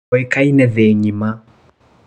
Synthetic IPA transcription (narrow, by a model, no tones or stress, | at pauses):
ɔikainɛðɛɲima